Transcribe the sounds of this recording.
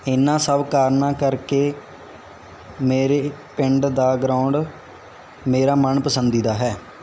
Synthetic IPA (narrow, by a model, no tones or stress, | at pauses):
ɪnãːsəːʋkaːɾnaːkəɾkeː | meːɾeːpɪɳɖd̪aːɡɾaʊɳɖ | meːɾaːməɳpəsənd̪iːd̪aːɦɛː